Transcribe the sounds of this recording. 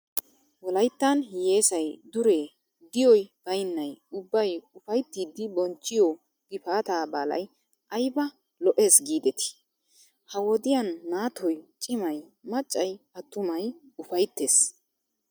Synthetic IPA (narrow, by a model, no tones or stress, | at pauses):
wɔlɐjt̪ːɐnhɪje̞ːsɐjd̪ʊɾe | d̪ɪjɔjb̥ɐjnːɐjʊbːɐjʊfɐjt̪ːiːd̪ːɪbɔnt͡ʃːɪjɔ | ɡ̥ɪfaːt̪aːbaːlɐ̰j | ʔɐjbɐ | lɔʔe̞ːsɡiːd̪ɛt̪ɪ̥ | hɐwɔd̪ɪjɐnːaːt̪ɔjt͡ʃʼɪmɐjmɐt͡ʃʼːɐjɐt̪ːʊmɐjʊfɐjt̪ːeːs